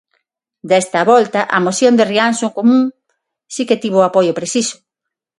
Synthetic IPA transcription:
d̪ɛst̪ɐβɔlt̪ɐʔɐmoθjond̪eriansoŋkomũŋ | siket̪iβoapojopɾesisʊ̥

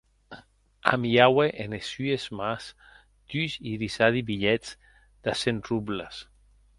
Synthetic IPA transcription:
a̰miaweʔenesyezmas | d̪̥yziðisaðibiʎɛt͡s | d̪̥asenrublas

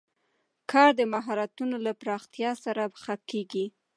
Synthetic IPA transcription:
kʰɑɾd̪əmaɦɑɾat̪unolapɾɑxt̪jɑsaɾaxakːeɡi

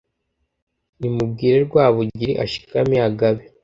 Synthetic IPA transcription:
nimub̚ɡiːɾeɾɡwaːβuɟiɾḭʔaʃi̥kamiaɡaβe

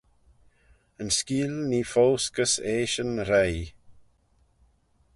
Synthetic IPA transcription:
ənskiːlniːfowskəseːʃənɾej

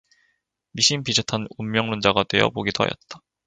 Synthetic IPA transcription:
miɕ͈ʰimpid͡ʑotʰanumːjʌŋmund͡ʑaɡadwe̞jʌpoɡitʰʌ̰jʌ̰t̚t͈ḁ

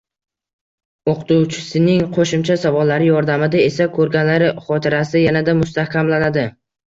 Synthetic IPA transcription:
oqʰt̪ʰuwt͡ʃʰɪ̥sɪnɪŋqʰoʃɪmt͡ʃʰasavɒlːaɾɪjɒɾd̪amɪd̪ae̞sakʰɵɾɡʲanlaɾɪχɒt̪ʰɪɾasɪjanad̪amʊst̪ahkʲʰamlanad̪ɪ

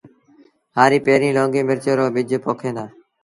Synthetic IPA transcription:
haːɾiːpeːɾĩːlõːŋɡiːmɪɾt͡ʃoːɾoːɓɪd͡ʒʱpoːkʰẽːd̪aː

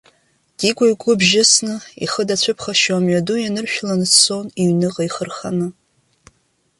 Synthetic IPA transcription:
d̥iɡʷaɥkʷʼʊbʒɪsnɨḭχədat͡ɕʷʰʊpʰχaʃwamɥadujanɨrʃᶣlanɨsʰsoniɥnɨqʼaijχərχa̰nɨ

